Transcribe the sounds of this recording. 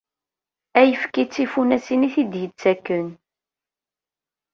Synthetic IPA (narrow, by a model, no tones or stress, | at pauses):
æjəfkit͡sːifunæsiniθid̪jət͡sːækːən